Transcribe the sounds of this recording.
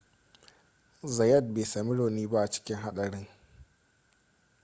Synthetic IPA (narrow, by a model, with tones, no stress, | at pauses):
zɐ˨jɐ˦˨d̚beː˨sa˨mɪ˦ɽoː˨niː˦ba˦ʔa˨t͡ʃɪ̥˦kʲɪ˦ŋɦa˦ɗɐ˨ɽɪ˦ŋ